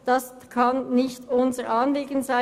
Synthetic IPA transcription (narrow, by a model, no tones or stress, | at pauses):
d̥ɑs | kʰɑnnɪçtʊnzəʁʔɑːnliːɡənzaɪ